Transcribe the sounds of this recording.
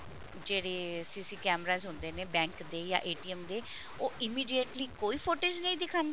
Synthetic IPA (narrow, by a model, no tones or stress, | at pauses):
d͡ʒeːɽeːsiːsiːkɛːmɾaːzɦʊnd̪eːneːbɛ̃ːŋkd̪eːjã̰ːʔeːʈiːɛmd̪eː | oːʔɪmiːɖijeʈliːkoːiːpʰoːʈeːd͡ʒnəĩːd̪ɪkʰaːnd̪